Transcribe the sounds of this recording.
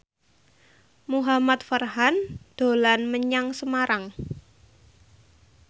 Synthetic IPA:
muɦamat̪̚farɦand̪̥o̤lanməɲaŋsəmaɾaŋ

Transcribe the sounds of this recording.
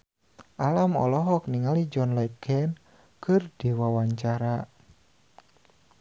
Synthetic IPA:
ʔalamɔ̰lɔɦɔk̚niŋalid͡ʒɔnlɔkʰɛn | kɨrd̥e̤wawaɲt͡ʃaɾa

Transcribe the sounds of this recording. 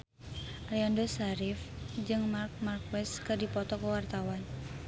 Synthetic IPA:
ʔaliandosaɾifd͡ʒɨŋmark̚mark̚wɛskɨrdipɔt̪ɔkəwart̪awan

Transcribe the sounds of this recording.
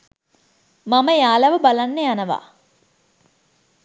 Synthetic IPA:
maməjaːlɐʋəbalanːejanəʋa̰ː

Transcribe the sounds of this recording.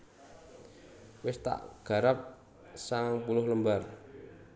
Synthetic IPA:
wɪst̪a̰ʔɡ̥a̤ɾəp̚ | saŋpulʊhləmbar

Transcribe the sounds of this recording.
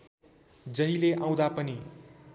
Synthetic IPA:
d͡zʌɦileʔãw̃d̪apʌni

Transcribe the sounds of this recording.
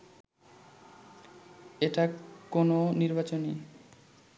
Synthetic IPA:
eʈakononiɾbat͡ɕoni

